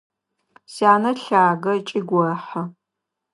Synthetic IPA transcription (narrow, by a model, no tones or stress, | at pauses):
sjaːnɐɬaːɡɐt͡ʃʼɪɡʷɔrɐħɐ